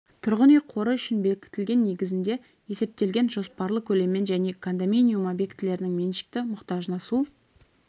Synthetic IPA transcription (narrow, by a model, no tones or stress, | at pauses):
t̪ʰʊɾʁənejqʰo̞ɾəʏʃɪnbelkʲɪ̥t̪ɪlɡʲe̞nːe̞ɡʲɪzɪnd̪e̞ | e̞se̞p̚t̪e̞lɡʲe̞nʒo̞spɑɾlˠəkʲʰɵle̞mːe̞nʒæne̞kʰond̪ominijumabe̞kt̪ʰɪle̞ɾɪnɪŋme̞nʃɪ̥k̚t̪ɪmʊqt̪ɑʒənɑsu